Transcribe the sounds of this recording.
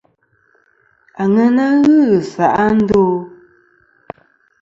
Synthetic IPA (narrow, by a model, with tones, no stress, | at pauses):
a˨ŋə˦na˦ɣɨ˦ɣsa˨ʔa˦n̩˦do˦